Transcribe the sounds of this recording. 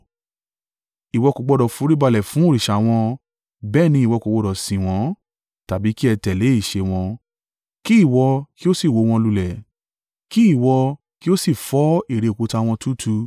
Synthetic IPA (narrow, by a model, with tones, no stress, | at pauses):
i˨wɔ˧ko˨˧ɡ͡bɔ˧dɔ˨fu˨˦ɾi˦ba˧lɛ˨fũ˨˦o˦˨ɾi˨ʃa˨w̃ɔ̃˧ | bɛː˦˨nĩ˧i˦˨wɔ˧ko˨˧ɡ͡bɔ˧dɔ˨sĩ˨w̃ɔ̃˨˦ | ta˨bi˨˦ki˦ɛ˧tɛ˨le˨˦i˦˨ʃe˧w̃ɔ̃˧ | ki˦i˦˨wɔ˧ki˦o˦si˦˨wo˨˦w̃ɔ̃˧lu˧lɛ˨ | ki˦i˦˨wɔ˧ | ki˦o˦si˦˨fɔ˨˦i˦˨ɾe˨˧o˨ku˨˧ta˧w̃ɔ̃˧tʰu˦tʰu˧